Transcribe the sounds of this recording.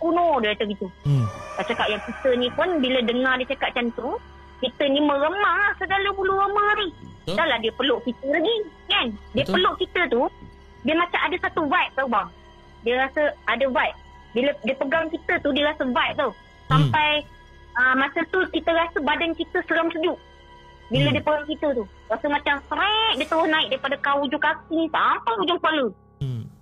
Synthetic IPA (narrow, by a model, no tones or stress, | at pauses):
kunɔdiat̪əɡit̪ukaʔt͡ʃakaʔ̚jaŋkit̪ənipʊnbilədəŋardiət͡ʃakaʔ̪̚t͡ʃant̪u | kit̪ənimə̃ɾəmaaʔsəɡaləbuluɣəmanidalahdiəpəloʔkit̪əlaɡi | kandiəpəloʔkit̪ət̪u | diəmat͡ʃamʔadəsat̪uvajʔ̚t̪əbaŋ | diəɾasəadəbajʔ̚ | bilədiəpəɡaŋkit̪ət̪udiəɾasəvajʔ̚t̪oh | sampaj | əmat͡ʃamt̪ukit̪əɾasəbadankit̪əsəɾaŋsud͡ʒuʔ | bilədiəpəɡaŋkit̪ət̪u | ɾasəmat͡ʃamsəɾɛʔ̚diət̪əwʊhnaɪk̚daɾipadakaud͡ʒukakisampajud͡ʒʊŋkualə